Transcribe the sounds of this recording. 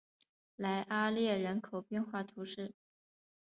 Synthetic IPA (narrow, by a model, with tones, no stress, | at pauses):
la˧˥ɪʔa˥ljɛ˥˩ɻə˧˥nkʰo˨˩ʊpjɛ˥˧nxwa˥˩t̪ʰu˧˥ʂɻ̩˥˩